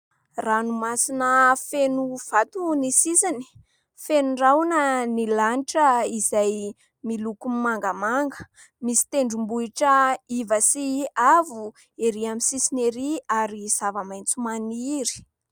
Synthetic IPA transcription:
ranumasinəfenuv̥at̪unisisini̥ | fenurawnənilaniʈ͡ʂəizaj | milukummaŋɡəmaŋɡə | misi̥t̪eɳɖ͡ʐumbuiʈ͡ʂəivəsiavu | eɾiamisisineɾiaɾiz̥avəmajnt͡sumaniɾi̥

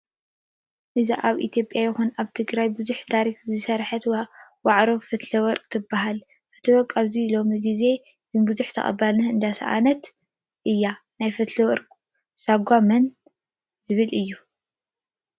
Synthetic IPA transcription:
ʔɨziʔaβʔḭt̪ʰjo̞pʼjajɪxunaβt̪ʰɨɡɾajbɨzuħt̪ʰaɾikzɨsɐɾħɐt̪waʕɾo̞fɨt̪lɐwɔɾkʼt̪ʰɨbːaɦal | ʔɨt̪ʰɨwɔɾkʼaβzilo̞miɡize̞ | zɨnbɨzuħt̪ʰɐ̰χʼɐ̰balnɐɨnd̪asɐ̰ʔa̰nɐt̪ | ʔɨjːa | najfɨt̪lɐwɔɾkʼ | saɡʷamɐn | z̥ɨβɨlʔɨjːu

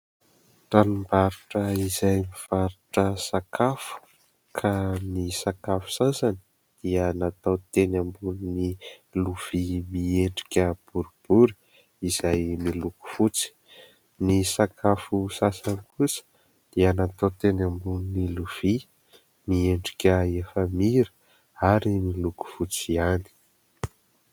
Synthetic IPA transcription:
tanimbaɾuʈ͡ʂəizajmiv̥aɾuʈ͡ʂəsakʰafu̥ | kʰanisakafu̥sasani̥ | d̪̥iənat̪awt̪enambununiluv̥imieɳɖ͡ʐi̥kʲəb̥uɾub̥uɾi | iz̥ajmiluku̥fut͡si̥ | nisakʰafusasanikusə̥ | d̪̥iənat̪at̪enambununiluv̥i | mieɳɖ͡ʐi̥kʲəefəmiɾə̥ | aɾimiluku̥fut͡siani̥

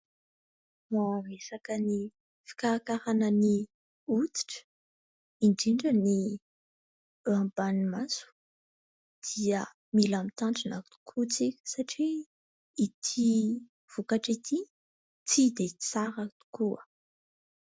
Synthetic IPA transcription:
mavesakəni | fi̥kaakaɾanəni | ut͡si̥ʈ͡ʂə̥ | iɳɖ͡ʐiɳɖ͡ʐəni | ambanimasu̥ | d̪̥iə | milamit̪aɳʈ͡ʂinakt̪u̥kʰut͡sikʲə̥saʈ͡ʂiː | t̪ʰi | v̥ukaʈ͡ʂit̪ʰi | t͡sid̪et͡saɾakt̪u̥kuə

